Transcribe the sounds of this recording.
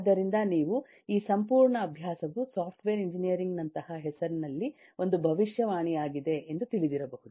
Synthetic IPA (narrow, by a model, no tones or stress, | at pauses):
d̪ɐɾind̪ɐniːʋu | iːsɐmpuːɾɳɐːbʱjaːsɐʋusaːpʰʈʋeːɾiɲd͡ʒinijɐɾiŋɡnɐnt̪ɐhɐɦɛsɐɾnɐlːi | o̞nd̪ubʱɐʋiʂjɐʋaːɳijaːɡid̪e̞ʔend̪ut̪iɭid̪iɾɐbɐɦud̪uu